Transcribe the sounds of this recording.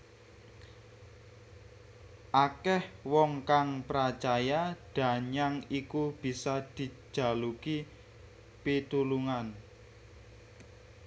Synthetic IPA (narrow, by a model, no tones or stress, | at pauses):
ʔakɛhwɔŋkaŋpɾat͡ʃajaɖ̥a̤ɲaŋikub̥i̤sad̪̥i̤̥d͡ʒ̥a̤luki | pit̪uluŋan